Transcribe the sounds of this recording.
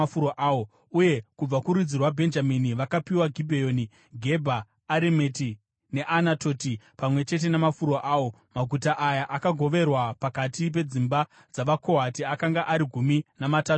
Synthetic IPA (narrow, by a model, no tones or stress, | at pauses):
uɾoʔaːo | uje̞kub͡vakuɾud͡zirwabʱe̞nd͡ʒaminiʋakapiwaɡʱibʱejoːni | ɡʱe̞bʱaː | ɾemeti | ne̞ʔanatoːtipamwe̞t͡ʃe̞t̬e̞nemafuɾoʔaːwo̞ | maɡʱutaʔajaʔakaɡʱo̞ʋe̞rwapakatip̬e̞d͡zimba | d͡zaʋako̞ɦatiakaŋɡaʔaɾiɡʱuminamataːu